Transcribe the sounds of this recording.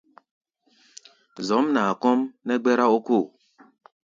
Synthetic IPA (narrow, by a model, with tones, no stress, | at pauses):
zɔ˨˦mna˨kɔ˦mnɛ˦ɡ͡bɛ˦ɾa˦o˦ku˦˨